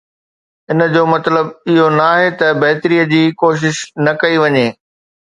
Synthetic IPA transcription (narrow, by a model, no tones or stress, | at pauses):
ɪnəd͡ʑoːmɐt̪ləbɪɦonɐaaːɦet̪ɐbɐɦt̪ɾiːəd͡ʑiːkoːʃ̬ɪʃnɐkɐiʋɐɲeː